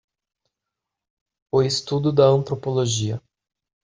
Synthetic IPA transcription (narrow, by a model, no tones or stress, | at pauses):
ʊɪst̪ud̪ʊd̪ɐɐ̃nt̪ɾopoloʒiɐ